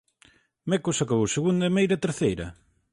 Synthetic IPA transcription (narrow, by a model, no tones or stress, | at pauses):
mɛkosakaβowseɣund̪ɐimejɾɐt̪eɾθejɾɐ̰